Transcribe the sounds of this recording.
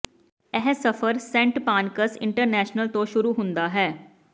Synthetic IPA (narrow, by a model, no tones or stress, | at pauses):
ɛɦsəfʰəɾsɛ̃ːɳʈpaːnkəsɪ̰̃ɳʈəɾnɛːʃnəlt̪õːʃʊɾuːɦʊ̃nd̪aːɦɛː